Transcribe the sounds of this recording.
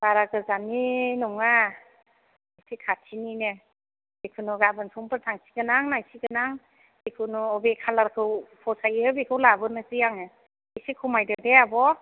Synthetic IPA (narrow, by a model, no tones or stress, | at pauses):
b̥aɾaɡɯzaninumŋa | ajsikʰatʰininɯ | bekʰɯnuɡabɯnsʰumpɯɾtʰaŋsi̥ɡɯnaŋnajsiɡɯnaŋ | bekʰɯnuɔbekʰalaɾkʰɯwpʰɔsajɯbekʰɯwlabɯnɯsɯjaŋɯ | ejsikʰumajdɯdeabɔ